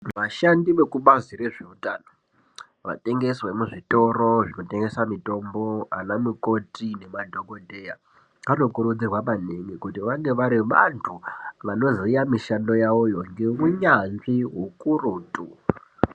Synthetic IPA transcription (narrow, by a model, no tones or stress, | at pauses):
ʋaʃandiʋe̞kuɓaziɾeʐeutaːno | ʋa̰te̞ŋɡe̞swe̞muʐito̞ro̞ʐino̞te̞ŋɡe̞samito̞mbo̞a̰namuko̞tʰine̞madʱoɡo̞dʱe̞ːja | kano̞kuɾud͡zirwamaneŋɡekutiʋaŋɡe̞ʋaɾiʋa̰ntʰuʋano̞zijamiʃando̞jaʋojo̞ŋɡeuɲanʐiɦukuruːtʼu